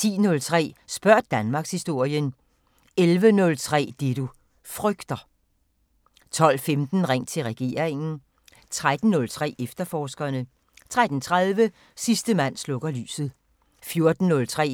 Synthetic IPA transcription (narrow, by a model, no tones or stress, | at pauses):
t͡sʰḭːnɔ̽lt͡sʰʁɛ̰ːsb̥ɶɐ̰d̥̚ːænmɑ̈ɡ̥shisd̥o̝ɐ̰jən | elʋənɔ̽lt͡sʰʁɛ̰ːd̥e̝ɾu | fʁœɡ̥d̥ɐ | t͡sʰɒ̽l̰femd̥n̩ʁaŋ̰t͡sʰe̝lʁɛɡ̥e̝̰ːɐʁeŋn̩ | t͡sʰʁad̥n̩ːɔ̽lt͡sʰʁɛ̰ːefd̥ɐfɒːsɡ̥ɐnə | t͡sʰʁad̥n̩t͡sʰʁaðˠʋə | sisd̥əmæn̰slɔ̽ɡ̥ɐly̰ːsð̩ˠ | fjo̝ɐd̥n̩ːɔ̽lt͡sʰʁɛ̰ː